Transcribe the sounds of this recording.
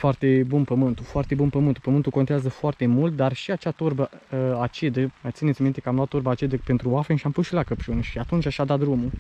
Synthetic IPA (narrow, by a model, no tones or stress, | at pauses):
foart̪e̞bunpəmɨnt̪ufoart̪e̞bunpəmɨnt̪u̥pəmɨnt̪uko̞nt̪eazəfoart̪e̞mult̪̚d̪arʃiat͡ʃat̪urbəat͡ʃid̪əmajt̪sinet̪ʲmint̪ekəamlat̪ːurbəat͡ʃid̪əpe̞nt̪ɾuwafenʃiampusʃilakəpt͡ʃunʃiat̪unt͡ʃʲaʃad̪at̪̚d̪ɾumu